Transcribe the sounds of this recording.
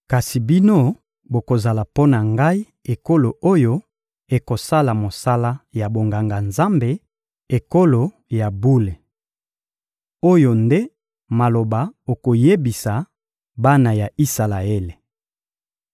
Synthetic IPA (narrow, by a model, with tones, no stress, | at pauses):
ka˨si˨bi˦no˦ | bo˨ko˨za˨la˨po˦na˨ŋɡa˦i˦ | e˨ko˦lo˨ʔo˦jo˦ | e˨ko˨sa˦la˨mo˨sa˦la˦ja˨bo˨ŋɡa˨ŋɡa˨nza˦mbe˨ | e˨ko˦lo˨ | ja˨bu˦le˨ | o˦jo˨nde˦ | ma˨lo˨ba˨o˨ko˨je˦bi˨sa˨ | ba˦na˨ja˨i˦sa˨la˨e˦le˨